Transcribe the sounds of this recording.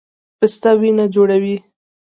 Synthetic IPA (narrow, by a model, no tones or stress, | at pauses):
pəst̪awinad͡ʒoɽawi